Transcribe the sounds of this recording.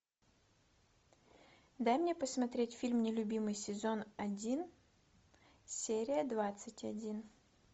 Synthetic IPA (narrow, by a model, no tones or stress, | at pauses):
d̪ajmnʲepəsmɐt̪ɾʲetʲfʲilʲmnʲɪlʲʊbʲimɨjsʲɪzonɐdʲin | sʲeɾʲɪjəd̪vat̪sɨtʲɐdʲin